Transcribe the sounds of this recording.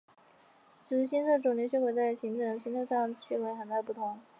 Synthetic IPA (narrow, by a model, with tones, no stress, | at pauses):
ʂɻ̩˧˩ɕi˥nʂɤ˥˩ʈ͡ʂu˨˩ŋljɛ˧˥ɕɥɛ˥we˨˩t͡sa˥˩ɪɕi˧˥ŋʈ͡ʂɤ˨˩ŋɕi˥nʂɤ˥˧ʂɑ˥˩ŋɕɥɛ˧˥xwe˧˥ɪxə˨˩nt̪a˥˧ɪp̬u˥˩t̪ʰʊ˧˥ŋ